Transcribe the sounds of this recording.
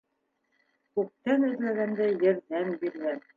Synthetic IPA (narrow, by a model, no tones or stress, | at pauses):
kʉp̚t̪ænɵ̆ðlæɣænd̪æjɘ̆ɾðæmbiɾɡæn